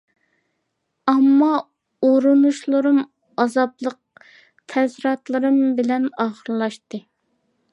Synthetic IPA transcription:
ɑmːɑ | oɾunuʃlˠɨɾɨm | ɑzɑplˠəq̚ | t̪ʰɛzɾɑt̪lˠɨɾɨmbɪlɛnɑːχəɾlˠɑʃt̪ɨ

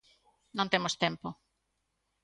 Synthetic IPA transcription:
nõnt̪emost̪empo

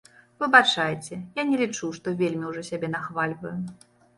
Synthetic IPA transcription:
vɨbat͡ʂajt͡sʲɛjanʲɛlʲit͡ʂuʂt̪ɔvʲelʲmʲiwʐɔsʲabʲɛn̪axvalʲvɐju

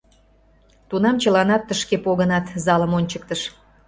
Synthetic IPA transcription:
t̪unɑmt͡ɕəlɑnɑt̪ːəʃkepoɣənɑt̪zɑləmonʲt͡ɕək̚t̪əʃ

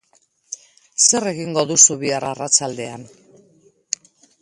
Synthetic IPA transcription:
se̞re̞ɣiŋɡo̞ðusuβiaraːrat͡sald̪e̞an

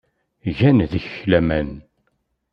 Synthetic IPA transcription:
ʝænðəç̥çlæmæn

